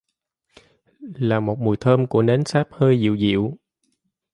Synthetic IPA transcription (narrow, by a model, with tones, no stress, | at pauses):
laː˨˩mo˨˩t̚mu˨˩jt̪ʰəː˧mku˧˩əne˨˦nsaː˦˥p̚həː˧jzḭ˧˨wzḭ˧˨w